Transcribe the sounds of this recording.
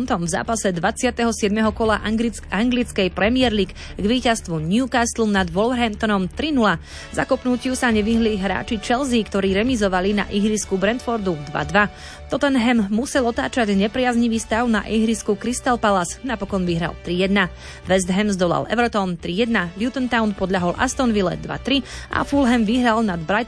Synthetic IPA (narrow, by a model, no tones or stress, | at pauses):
nt̪ɔmvza̰ːpasɛd̪ʋat͡sɪat̪ɛɦɔsɪɛd̪mɛɦɔkɔlaʔ | aŋɡlit͡skɛjpɾɛmɪɛɾliɡ | ɡʋiːcast̪ʋunjukast̪lɔmnad̪ʋɔlʋɾɦɛnt̪ɔnɔmt̪ɾinula | za̰kɔpnucɪusaɲɛʋiɦliɦɾa̰ːt͡ʃit͡ʃɛlzikt̪ɔɾiːɾɛmizɔʋalina̰ʔiɦɾiskubɾɛnt̪fɔɾd̪ud̪ʋa̰d̪ʋa | t̪ɔt̪ɛnɦɛmːusɛlɔt̪aːt͡ʃaɟɲɛpɾɪazɲiʋiːst̪aʊna̰ʔiɦɾiskukɾist̪alpalaznapɔkɔnʋiɦɾa̰lt̪ɾijɛd̪na | ʋɛzd̪ɦɛmzd̪ɔla̰lɛ̰ʊɾɔt̪ɔnt̪ɾijɛd̪naljut̪ɔnt̪aʊnpɔd̪ʎaɦɔlʔa̰st̪ɔnʋilɛ̰d̪ʋa̰t̪ɾiʔa̰fulɦɛmʋiɦɾalnad̪bɾaj̪